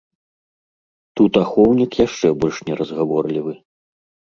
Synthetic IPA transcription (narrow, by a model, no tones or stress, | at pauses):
t̪ut̪axɔwnʲikjaʂt͡ʂɛbɔlʲʂnʲɛɾɐzɣavɔrlʲivɨ